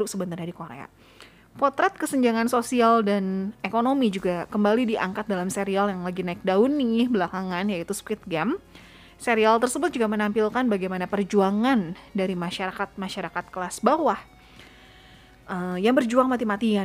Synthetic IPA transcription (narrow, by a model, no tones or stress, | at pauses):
ʊp̚səbənt̪arɲadikoɾḛa̰ | pɔt̪ɾɛt̪̚kəsəɲd͡ʒaŋansosialdanekonomid͡ʒuɡakəmbalidiʔa̰ŋkat̪̚dalamseɾialjaŋlaɡinaɪk̚daunːibəlakaŋanjait̪uspɪt̪̚ɡɛm | seɾialt̪ərsəbʊt̪̚d͡ʒuɡamənampilkanbaɡajmanapərd͡ʒuaŋandaɾimaʃaɾakat̪̚maʃaɾakat̪̚kəlasbawah | ʔəjaŋbərd͡ʒuaŋmat̪̬imat̪ia